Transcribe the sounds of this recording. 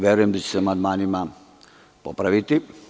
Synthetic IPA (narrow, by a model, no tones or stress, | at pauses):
ʋjeɾujemd̪at͡ɕeseamand̪maːnima | po̰pɾaʋit̪i